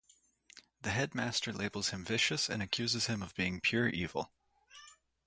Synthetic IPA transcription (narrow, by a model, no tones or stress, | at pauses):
ðɨɦɛd̚mæstə˞leɪbl̩ˠz̥hɨ̃ɱvɪʃɨsɨ̰̃ñɨkʰj̥ʉzɨz̥ɨ̃mʌvbiɪ̃ŋpʰj̥ʊɹʔivl̩ˠ